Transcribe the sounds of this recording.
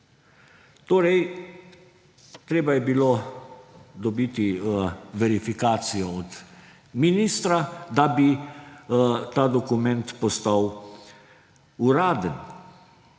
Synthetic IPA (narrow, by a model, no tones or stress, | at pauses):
t̪oɾej | t̪ɾebuebilo | d̪obit̪iveɾifikat̪sijeot̪ | minist̪ɾad̪abi | t̪ad̪okument̪post̪aw | uɾad̪ən